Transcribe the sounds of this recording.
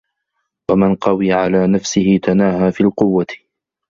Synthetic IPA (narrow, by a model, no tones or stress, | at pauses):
wamɪnqɑwiːʕalaːnafsɪhɪt̪anaːhaːfiːlqʊwːa